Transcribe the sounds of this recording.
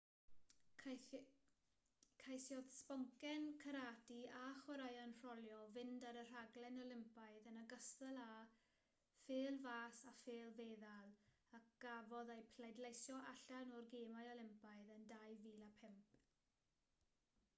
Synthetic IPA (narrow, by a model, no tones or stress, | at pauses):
kʰajθjɔð̥spɔŋkɛnkʰəɾaːtiaχwəɾajənr̥ɔlˠjɔvɪndaɾər̥aɡlɛnɔlɪmpajðənaɡəstəlˠa | feːlˠvaːsafeːlˠveːðalˠ | ak̚ɡ̥avɔðejpʰlɛdlejsjɔʔaɬanɔrɡeːmajɔlˠɪmpaɨðəndajviːlˠapʰɛmp